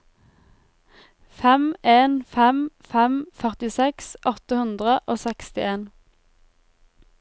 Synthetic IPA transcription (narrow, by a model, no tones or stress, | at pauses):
fɛmeːnfɛmfɛmfœʁt̪ɪsɛksʔɔt̪əhʉnd̪ʁəʔoːsɛkst̪ɪeːn